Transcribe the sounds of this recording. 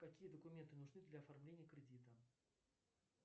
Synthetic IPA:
kɐkʲijəd̪əkʊmʲe̞nt̪ɨnʊʐnɨd̪lʲɐɐfɐrmlʲenʲɪjəkɾʲɪdʲit̪ə

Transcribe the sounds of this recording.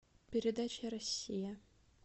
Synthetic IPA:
pʲɪɾʲɪd̪at͡ɕɐɾɐsʲːijɐ

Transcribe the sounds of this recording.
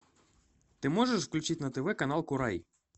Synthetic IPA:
t̪ɪmɔʐəʂfklʲut͡ʃitʲnɐt̪ɛvɛkɐnalˠkʊɾaj

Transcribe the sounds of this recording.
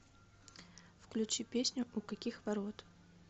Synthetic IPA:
fklʲʉt͡ɕipʲesʲnʲʊʔʊkɐkʲixvɐɾo̞t̪

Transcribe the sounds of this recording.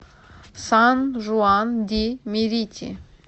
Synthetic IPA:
sanʒuand̪ʲimʲiɾʲit̪ʲʰḭ

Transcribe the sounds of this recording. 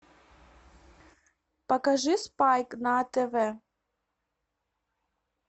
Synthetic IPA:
pɐkaʒɨspajknaːt̪ɛvɛ

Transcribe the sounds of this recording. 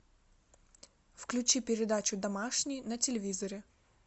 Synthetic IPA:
fklʲʉt͡ɕipʲɪɾʲɪd̪at͡ɕʊd̪ɐmaʂnʲɪjnɐtʲɪlʲɪvʲizɐɾʲɪ

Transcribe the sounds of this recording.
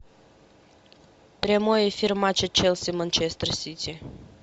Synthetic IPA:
pɾʲemojefirmat͡ʃet͡ʃelsemənt͡ʃest̪ɾəsit̪t͡s̪ʲe

